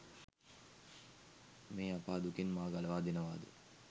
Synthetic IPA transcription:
meːapaːd̪ukinmaːɡalɐʋaːd̪inəʋaːd̪ə̰

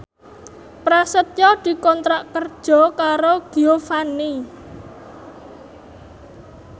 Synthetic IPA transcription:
pɾasət̪̚jɔd̪̥i̤kɔnt̪ɾaʔkərd̥ʒ̥ɔ̤kaɾoɡ̥iofani

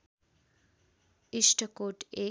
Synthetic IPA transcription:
iʂʈʰəkoʈe

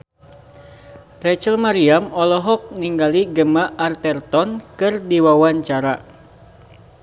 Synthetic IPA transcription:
rɛt͡ʃəlmaɾiamɔlɔɦɔk̚niŋɡaliɡəmaʔːrt̪ɛrt̪ɔnkɨrdiwawaɲt͡ʃaɾa

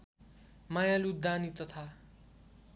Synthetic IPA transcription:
majalud̪anit̪ʌt̪ʰa

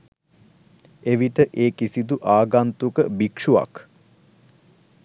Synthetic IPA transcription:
eʋiʈəʔeːkisid̪uʔaːɡant̪ukəbikʂuʋa̰k

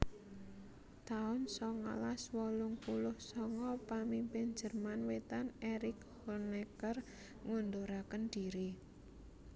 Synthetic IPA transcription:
t̪aʊnsɔŋɔ̰laswɔlʊŋpulʊhsɔŋɔpamimpɪn̥d͡ʒ̥ə̤rmanwet̪aneɾɪk | hɔnekər | ŋund̪oɾakənd̪̥iɾi

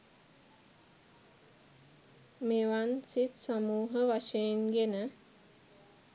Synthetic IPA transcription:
meʋansit̪samuːɦəʋaʃejenɡenə

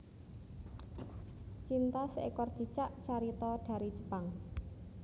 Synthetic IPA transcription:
t͡ʃint̪asʔekɔrd̪̥i̤t͡ʃaʔt͡ʃaɾit̪ɔɖ̥a̤ɾid͡ʒə̤̥paŋ

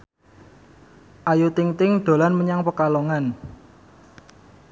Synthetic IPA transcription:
ʔajut̪ɪŋt̪ɪŋɖ̪̥o̤lanməɲaŋpəkaloŋan

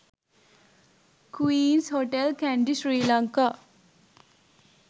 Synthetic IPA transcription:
kwiːnsɦoʈelkæɳɖisɾiːlaŋka

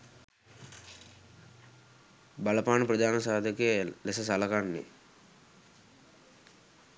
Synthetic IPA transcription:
bɐlɐpaːnupɾɐd̪aːnɐsaːd̪ʱɐkelesɐsɐlɐkanːḛ

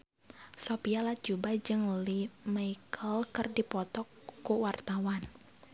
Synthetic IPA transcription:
sopialat͡ʃubad͡ʒɨŋlimaikʰəlkɨrdipɔt̪ɔkːuwart̪awan

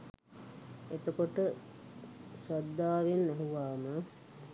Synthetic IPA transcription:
et̪əkoʈə | swad̪ːaːʋenːæɦuʋaːmə

